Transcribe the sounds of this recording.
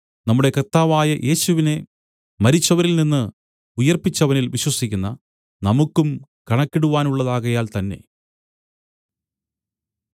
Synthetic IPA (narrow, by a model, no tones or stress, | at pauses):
nɐmːuɽe̞kɐrt̪aːʋaːjɐʔe̞ːɕuʋine̞ | mɐɾit͡ɕːɐʋɐɾilninːɨ | ujɐrpit͡ɕːɐʋɐnilʋiɕwɐsikʲːunːɐ̰ | nɐmukːumkɐɳɐkːiɽuʋaːnuɭːɐðaːɣɐjaːlt̪ɐnːe̞̰